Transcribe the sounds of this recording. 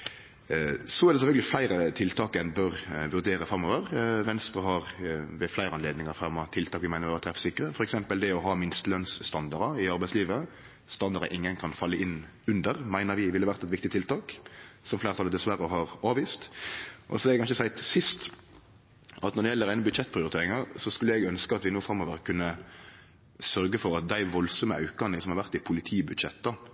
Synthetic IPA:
sɔæʁd̪ɛs̬ɛfœlɡəlɪflæɪɾət̪ʰɪlt̪ʰɑːkɛnbœʁʋʉɾd̪eːɾəfɾɑmɔʋəʁʋɛnst̪ɾəɦɑʁʋɛflæɪɾəɑnleːd̪nɪŋəɾfɾɑmːɑt̪ʰɪlt̪ʰɑːkʋɪmæɪəʋːt̪ʰɾɛfsɪkːəɾəfɔɾɛksɛmpəld̪ɛɔɦɑmɪnst̪lœnsːt̪ɑnd̪ɑɾəɪɑɾbæɪsliːʋə | st̪ɑnd̪ɑɾə̰ʔɪŋːənkʰɑnfɑlːəʔɪnː | ʉnd̪əʁmæɪnəʁʋɪʋɪlːəʋæʁt̪ɛt̪ʋɪkt̪ɪt̪ʰɪlt̪ʰɑːksɔmflæɪɾt̪ʰɑləd̪ɛsʋæɾəɦɑʁɑːʋiːst̪ʔɔsɔɛlɛkɑnʃəsæɪt̪sɪst̪ | ʔɑt̪nɔʁd̪ɛjɛlːəɾæɪnəbʉd̪ʃɛt̪̚ːpʰɾɪʊɾɪt̪eːʁɪŋɑʁsɔskʉlːəɛɡœnskəɑt̪ʋɪnuːfɾɑmoːʋəʁkʰʉnːə | sœɾɡəfɔɾɑt̪̚d̪æɪʋɔlsɔməɑ̰ʉkɑnəsɔmhɑʁʋæʁt̪ːɪpʰʊlɪt̪ʰiːbʉd̪ʃɛt̪ːd̪ɑ

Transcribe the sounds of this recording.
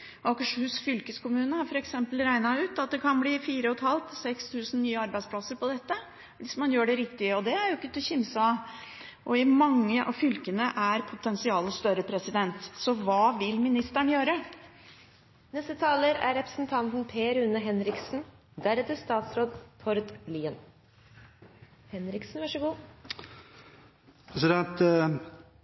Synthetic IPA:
ʔɑkəʂhʉːsfʏlkəskʰʊmʉːnəɑɾfɔɾɛksɛmpəlɾæɪnɑʉːt̪ɑt̪̚d̪ɛkʰɑnbliːfiːɾəɔt̪hɑlt̪sɛkst̪ʰʉːsn̩nyːəɑɾbæɪspʰlɑsəɾpɔd̪ɛt̪ːə | ʋɪsmɑnjøːɖɛɾɪkt̪ɪəɔd̪ɛæɾjʊɪkːət̪ʰəçɪmsɑ | ʔɔɪmɑŋːəʔɑ̰fʏlkənəʔæɾpʰʊt̪ʰɛnsɪɑːləst̪œɾəpʰɾɛsɪd̪ɛnt̪sɔʋɑːʋɪlmɪnɪst̪æɳjøːɾə | nɛst̪ət̪ʰɑːləɾæ̰ɾɾɛpɾə̥sn̩t̪ʰɑnt̪n̩pʰeːɾʉnːəɦɛnɾɪksn̩ | d̪æɾɛt̪əst̪ɑːt̪sɾoːd̪pʰɔɾt̪liːən | hɛnɾɪksn̩ʋɑʂəɡuː | pʰɾɛsɪd̪ɛnt̪

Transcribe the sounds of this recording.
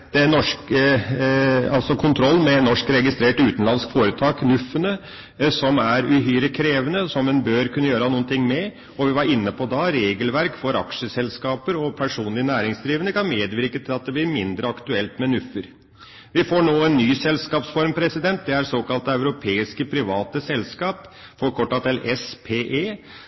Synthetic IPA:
d̪ɛnɔʂk | ɑ̰lsɔkʰʊnt̪ʰɾɔlːmɛnɔʂkɾɛɡɪst̪ɾeːʈʉːt̪nlɑnskfoːɾət̪ʰɑːknʉfːənə | sɔmæɾʉɦyːɾəkʰɾeːʋənəsɔmɛnbøːɾkʰʉnːəjøːɾəhɑnuːənt̪ʰɪŋːmɛ | ɔʋɪʋɑɾɪnːəpʰɔd̪ɑɾeːɡəlʋæɾkfɔɾɑ̰kʂəsɛlskɑːpəɾɔpʰæʂuːnlɪənæːɾɪŋsd̪ɾiːʋənəkʰɑnmeːd̪ʋɪɾkət̪ʰɪlɑt̪̚d̪ɛblɪɾmɪnd̪ɾəɑkt̪ʉɛlt̪mɛnʉfːəɾ | ʋɪfoːɳoːɛnːyːsɛlskɑːpsfɔɾmpʰɾɛsɪd̪ɛnt̪̚d̪ɛæɾsoːkɑlt̪əœʉɾʊpʰeːɪskəpʰɾɪʋɑːt̪əsɛlskɑːp | fɔɾkʰɔʈːɑt̪ʰɪlɛspʰeːʔeː

